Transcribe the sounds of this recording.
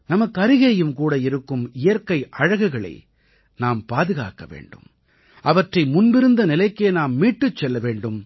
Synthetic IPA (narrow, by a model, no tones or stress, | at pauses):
nɐmɐkːɯɐɾɪɣɐjɯmkuːɽɐɪɾɯkːɯmɪjɐɾkɐɪʔɐɻɐɣɯɣɐɭɐ̰ɪ | naːmpaːðɯɣa̰ːkɐʋḛːɳɖɯ̰m | ʔɐʋɐʈrɐɪmʊnbɪɾɯnd̪ɐnɪlɐɪkːeːnaːmːiːʈːɯt͡ʃːɛlːɐʋeːɳɖɯm